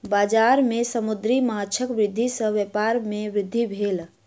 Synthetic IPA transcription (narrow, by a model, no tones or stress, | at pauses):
baːd͡ʒaɾmesəmud̪ɾimaɦt͡ʃʰəkʋɾɪd̪ʱːisə̃ʋjəpaɾmeʋɾɪd̪ʱːibʱeːl